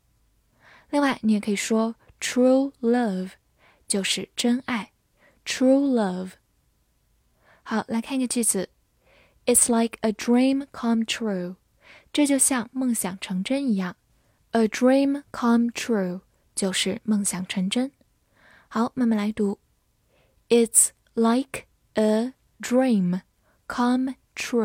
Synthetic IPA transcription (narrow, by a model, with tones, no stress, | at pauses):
li˥˧ŋwa˥˩ɪni˨˩˥kʰə˧˥i˨˩ʂwɔ˥ | tʰɹu˥lə˥˧v | t͡ɕjo˥˧ʊʂɻ̩˥˩ʈ͡ʂə˥nʔa˥˩ɪ | tʰɹu˥lə˥˧v | xa˧˥˦ʊla˧˥ɪkʰa˥˩n˥ɡə˧˩t͡ɕi˥˩d͡zɹ̩˨˩˦ | ɪ˨˩tsla˧˥ɪkə˨dɹĩ˥˧˩mkʰɑ˥˧mtʰɹu˥˧ | ʈ͡ʂɤ˥˧t͡ɕjo˥˧ʊɕjɑ˥˧ŋmɤ˥˩ŋɕjɑ˨˩ŋʈ͡ʂʰɤ˧˥ŋʈ͡ʂə˥ni˧˥ja˥˩ŋ | ʔə˨dɹĩ˥˧mkʰɑ˥˧mtʰɹu˥˩ | t͡ɕjo˥˧ʊʂɻ̩˥˩mə˥˩ŋɕjɑ˨˩ŋʈ͡ʂʰɤ˧˥ŋʈ͡ʂə˥n | ha˧˦ʊme˧˥mə˨˩la˨˧˥ɪt̪u˧˥ | ɪ˨˩ts | la˧ɪk | ə˨ | dɹĩ˥˧m | kʰɑ˥m | tʰɹu˥˩